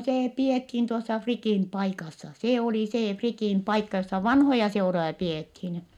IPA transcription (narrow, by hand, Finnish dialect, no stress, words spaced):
seː piethiːn tuosːɑ frikiˑn pɑikɑsːɑ se oli seː frikiˑn pɑikːɑ josːɑ ʋɑnhojɑ seurojɑ piethin